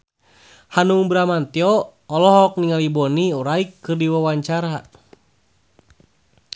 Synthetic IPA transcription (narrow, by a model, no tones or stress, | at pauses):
hanuŋbɾamant̪iɔːlɔɦɔk̚niŋalibɔniuɾaikːɨrdiwawaɲt͡ʃaɾa